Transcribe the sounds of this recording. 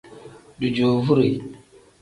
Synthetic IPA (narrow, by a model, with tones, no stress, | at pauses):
du˨d͡ʒo˨vu˦ɾi˨